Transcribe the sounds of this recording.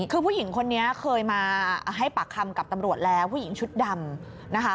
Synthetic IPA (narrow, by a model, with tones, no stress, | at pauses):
kʰɯː˧pʰu˥˩ji˩˦ŋkʰo˧nːi˦˥ɐkʰɤː˧jmaː˧˩ɦa˥˩jpa˨˩kʰːa˧mka˨˩p̚t̪a˧mɾu˨˩ət̪̚lɛː˦˥wpʰu˥˩ji˩˦ŋt͡ɕʰu˦˥t̪̚da˧m | na˦˥kʰa˦˥